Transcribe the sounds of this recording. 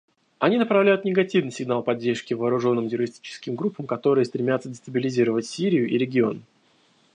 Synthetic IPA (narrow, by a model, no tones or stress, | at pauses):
ɐnʲinəpɾɐvlʲæjʊt̪nʲɪɡɐtʲivnɨsʲɪɡnalˠpɐdʲːerʂkʲɪvɐːɾʊʐo̞nːɨmtʲɪɾəɾʲɪsʲtʲi̥t͡ɕɪ̥skʲɪmɡɾupːəmkɐt̪o̞ɾɨjəst̪ɾʲɪmʲat̪sədʲɪst̪əbʲɪlʲɪzʲiɾəvətʲsʲiɾʲɪjʊʔiɾʲɪɡʲɪo̞n